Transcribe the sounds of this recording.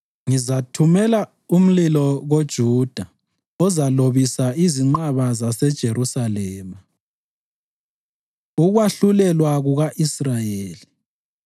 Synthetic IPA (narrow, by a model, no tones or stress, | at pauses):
ŋizatʰumɛla | um̩lilɔɣod̥ʒ̥ʱuːd̥ʱa | ɔzaloβisaʔiziŋ͡ǃaβazasɛd̥ʒ̥ʱeɾusalɛːma | uɣwaɬulɛlwaɣuɣaʔisrajeːli